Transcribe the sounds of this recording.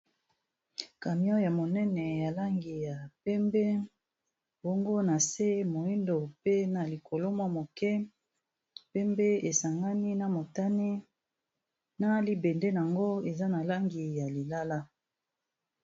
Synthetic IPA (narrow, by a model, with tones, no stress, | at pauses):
ka˨mi˦ɔ˦ja˨mo˨nɛ˦nɛ˨ja˨la˦ŋɡi˨ja˨pɛ˦mbe˦ | bo˦ŋɡo˦na˨se˦mo˨i˦ndo˨pe˦na˨li˨ko˨lo˦mwa˦mo˨kɛ˦ | pɛ˦mbe˦e˨sa˨ŋɡa˦ni˦na˨mo˨ta˦ni˦ | na˦li˦bɛ˨nde˦n˨a˨ŋɡo˦e˨za˦na˨la˦ŋɡi˨ja˨li˨la˦la˦